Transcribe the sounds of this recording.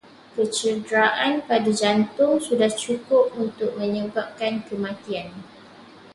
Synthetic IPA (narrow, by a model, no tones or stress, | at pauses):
kət͡ʃədɾaʔanpadad͡ʒant̪ʊŋsudaht͡ʃukʊp̚unt̪ʊk̚mə̃ɲəbap̚kankəmãt̪ian